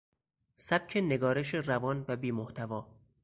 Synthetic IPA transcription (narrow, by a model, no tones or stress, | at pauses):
sæb̥̚cʰe̞ne̞ɡɒːɾe̞ʃerævɒːnvæbiːmoht̪ʰævɒː